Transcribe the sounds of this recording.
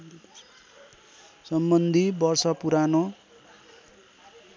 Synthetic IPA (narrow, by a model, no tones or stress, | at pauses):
sʌmbʌnd̪ʱibʌrsʌpuɾano